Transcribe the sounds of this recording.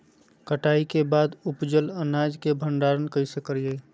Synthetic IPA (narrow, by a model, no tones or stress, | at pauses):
kəʈaːikebaːd̪ʊpd͡ʒələnaːd͡ʒkebʱə̃ɳɖaːɾənkəisekəɾjeː